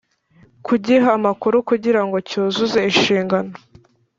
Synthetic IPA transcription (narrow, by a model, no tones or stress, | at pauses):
kuɟiɦaːmakuɾukuɟiɾaŋɡo̞coːzuze̞iʃiːŋɡano